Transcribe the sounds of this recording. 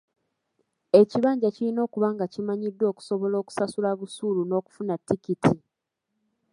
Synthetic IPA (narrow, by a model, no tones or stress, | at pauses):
e̞ciβaːɲɟacilino̞ːkuβaːŋɡacimaɲidːwo̞ːku̥so̞βo̞lo̞ːku̥sasulaβusuːluno̞ːku̥funatːikitʰi